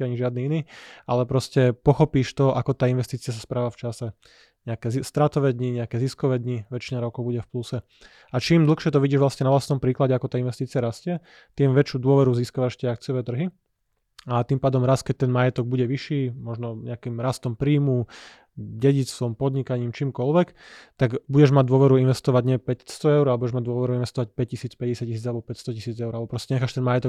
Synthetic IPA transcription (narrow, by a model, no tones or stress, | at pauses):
aɲiʒɪad̪niːiniːalɛpɾɔscɛpɔxɔpiːʃt̪ɔʔakɔt̪aːinʋɛst̪iːt͡siɪas̬aspɾaːʋaft͡ʃasɛ | ɲɛakɛst̪ɾat̪ɔʋɛːd̪ɲiɲɛakɛːziskɔʋɛːd̪ɲiʋɛt͡ʃinaɾɔkɔʊbuɟɛfplusɛ | at͡ʃiːmd̪l̩ˠxʃɪɛt̪ɔʋiɟiːʒʋlasɲɛnaʋlast̪nɔmpɾiːklaɟɛakɔt̪aːinʋɛst̪iːt͡siaɾascɪɛ | t̪iːmʋɛt͡ʃjuːd̪ʊɔʋɛɾuziːskaʋaʃcʲɛakt͡sɪjɔʋɛːt̪r̩ɦi | at̪iːmpaːd̪ɔmɾaskɛc̚t̪ɛnmajɛt̪ɔɡ̚buɟɛʋiʃiːmɔʒnɔɲɛakimɾast̪ɔmpɾiːmu | ɟɛɟit͡sʋɔmpɔd̪ɲikaɲiːmt͡ʃiːmkɔlʋɛkt̪aɡbuɟɛʒmaɟ̚d̪ʊɔʋɛɾuinʋɛst̪ɔʋaɟɲɪɛpɛst̪ɔɛʊɾalɛbuɟɛʒmaɟ̚d̪ʊɔʋɛɾuinʋɛst̪ɔʋac̚pɛc̚cisiːt͡spɛɟɛsac̚cis̬iːd͡zalɛbɔpɛcst̪ɔcisiːd͡zɛʊɾalbɔpɾɔscɛɲɛxaːʃt̪ɛnmajɛt̪ɔ